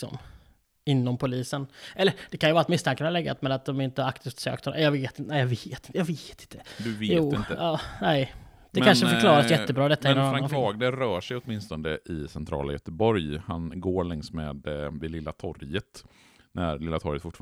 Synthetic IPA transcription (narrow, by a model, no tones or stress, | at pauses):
sɔ̰m | ɪnːɔmpʰʊliːsənʔɛlːəɾd̪̥ɛkʰanjʏvɑːɾat̪mɪst̪ʰaŋkənhalɛɡːa̰t̪mɛat̪̚d̪ɔmɪnt̪əhakt̪ʰiːft̪sø̰ːkt̪ʰhɔnjɑɡveːt̪ɪnæːjɑveːt̪ɪəjɑveːt̪ɪ̥nt̪ʰːəd̪ɵvjutːɪnəɑːnɛɪ | d̪̥ɛmkanʂəfœɾklɑːɾasjɛt̪ːəbɾɑːd̪ɛt̪ːaɪnːɔmanɾaaɑːɡd̪əɾœːʂɛjɔt̪mɪnst̪ɔnd̪əʔɪsɛnt̪ʰɾɑ̰ːla̰jœt̪əbɔɾjhanɡoːɾɭɛŋsmḛːd̪vɪlɪlːat̪ʰɔɾjət̪ | næ̰ɾlɪlːat̪ʰɔɾjət̪fʊʈːf